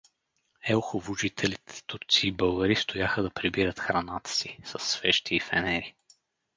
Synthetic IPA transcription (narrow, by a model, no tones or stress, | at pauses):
ɛʊxʊvʊʒit̪ʰɛlit̪ɛ̥t̪uɾt̪siːbɤlˠɡəɾist̪ʊjaxəd̪ɐpɾibiɾət̪xɾɐnat̪ə̥sisɐsːvɛʃt̪ʰiːfɛnɛɾi